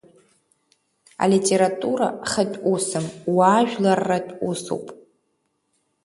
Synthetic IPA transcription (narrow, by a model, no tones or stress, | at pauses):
a̰litʼe̞ɾatʼuɾa̰χatʲʼusɨmwaːʒᶣlarːatʼuso̰wpʼ